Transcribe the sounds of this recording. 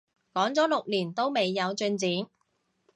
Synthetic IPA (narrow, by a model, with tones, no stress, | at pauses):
kɔː˨˥ŋt͡sɔː˨˥lʊ˨k̚liː˨˩nt̪o˥wme˨jːɐ˨˧wt͡ʃɵ˧nt͡siː˨˥n